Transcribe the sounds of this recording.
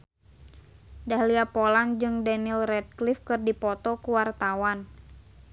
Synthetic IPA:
dahliapɔland͡ʒɨŋdanilrɛt̪̚klifkɨrdipɔt̪ɔkuwart̪awan

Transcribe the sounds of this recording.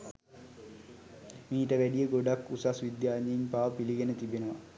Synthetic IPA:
miːʈːɐʋeɖijɐɡoɖɐkːusɐsʋid̪jaːɲːɐjimpaːʋpiliɣɐnɐt̪ibinɐʋɐ

